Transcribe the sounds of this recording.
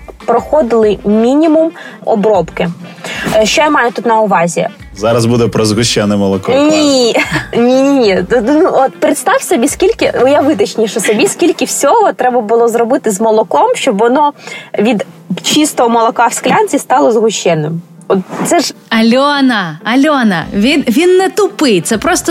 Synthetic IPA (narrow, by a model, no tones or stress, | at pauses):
pɾɔxɔd̪ɪlˠɪmʲinʲimumɔ̰bɾɔpkɪ | ʃt͡ʃɔjamɑjʊt̪ut̪nɐʊʋɑzʲḭ | zɑɾɐzbud̪ɛpɾɔzɣʊʃʲt͡ʃːɛnɪmːɔlˠɔkɔnʲi | nʲinʲinʲinuɔt̪pɾɪt̪st̪ɑwsʲɔbʲiskʲilʲkɪɔjaʋɪd̪ɐt͡ʃnʲiʃɔsɔbʲiskʲilʲkɪwsʲɔɦɔt̪ɾɛbɐbʊlˠɔzɾɔbɪt̪ɪzmɔlˠɔkɔmʃt͡ʃɔbʋɔnɔʋʲid̪ | t͡ʃist̪ɔɦɔmɔlˠɔkɑfsklʲɑnʲt͡sʲist̪ɑlˠɔzɦʊʃt͡ʃɛnːɪm | ɔt̪t̪sɛʒɐlʲɔnɐɐlʲɔnɐ̰ʋʲinʋʲinːɛt̪ʊpɪjt̪sɛpɾɔst̪ɔ